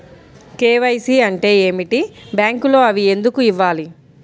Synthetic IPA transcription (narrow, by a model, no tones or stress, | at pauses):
keːʋɐjsiɐɳʈe̞ːeːmiʈibjaːŋkulo̞ːɐʋie̞nd̪ukuiʋːaːli